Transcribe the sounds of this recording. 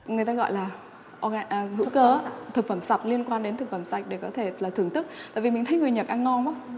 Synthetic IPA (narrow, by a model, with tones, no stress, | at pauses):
ŋɨ˨˩əjt̪aː˧ɣɔ̰˧˨jlaː˨˩ | ʔɔ˧ɣʔhɨ̰˧˥kəː˨˦t̪ʰɨ˨˩k̚fə˧˩msa˨˩t̚li˧ənkwaː˧nɗe˨˦t̪ʰɨ˨˩k̚fə˧˩msa˨˩jk̟̚ɗe˧˩kɔ˨˦t̪ʰe˧˩laː˨˩t̪ʰɨ˧˩əŋt̪ɨ˦˥k̚t̪a̰ː˧˨vi˨˩mï˨˩ŋ̟ʰə˨˦jŋɨ˨˩əjɲə˨˩t̚ʔa˧ŋŋɔ˧naː˧˦